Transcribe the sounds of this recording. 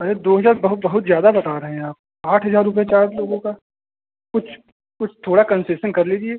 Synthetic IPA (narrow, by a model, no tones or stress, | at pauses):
ɐɾed̪oːɦɐzaːɾbɐɦʊt̪̚bɐɦʊt̪zjaːd̪abɐt̪aːɾɐɦɛ̃ɦaːp̚ | aːʈʰɦɐzaːɾːʊp̬jet͡ʃaːɾloːɡõka | kʊt͡ʃʰ | kʊt͡ʃʰt̪ʰoːɽakɐ̃nseːʃənkɐɾliːd͡ʒieː